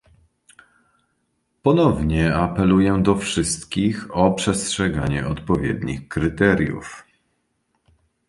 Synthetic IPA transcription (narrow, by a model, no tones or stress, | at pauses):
pɔnɔvɲɛapɛlujɛd̪ɔfʂɘst̪kʲixɔpʂɛstʂɛɡa̰ɲɛ̰ɔt̪pɔvʲjɛ̰d̪ɲixkɾɘt̪ɛɾʲjṵf